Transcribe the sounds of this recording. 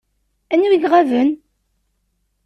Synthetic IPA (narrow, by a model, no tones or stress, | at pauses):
ænːwiɡʁævən